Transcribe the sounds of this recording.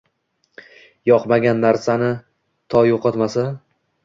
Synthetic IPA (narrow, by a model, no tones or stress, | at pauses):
jɒqmaɡʲanːaɾsanɪ | t̪ʰɒjoqʰɒt̪masa